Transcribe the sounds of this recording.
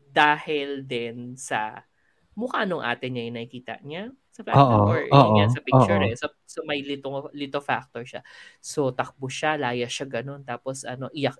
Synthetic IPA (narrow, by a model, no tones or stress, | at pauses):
d̪aːhɪld̪ɪnsɐ̰ | mʊkaːnoŋʔa̰ːt̪ɪɲɐjʊŋnɐkɪkiːt̪ɐ̰ʔɲa | sɐfa̰ːʔoɹoɲasɐpɪɡt͡ʃuɾɛsɐ | somɐjlɪt̪oŋlit̪ofa̰k̚t̪oɹʃasot̪ɐk̚bʊʃalaːjɐʃaɡɐno̞nt̪aːposʔɐ̰no̞ʔɪjɐk